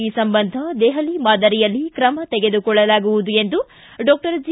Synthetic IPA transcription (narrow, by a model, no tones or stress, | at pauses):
iːsɐmbɐnd̪ʱɐd̪ɛːɦɐlimaːd̪ɐɾijɐlːikɾɐmɐt̪ɛɡe̞d̪ukɔɭːɐlaːɡuʋud̪ue̞nd̪u | ɖɔːk̚ʈɐɾd͡ʒi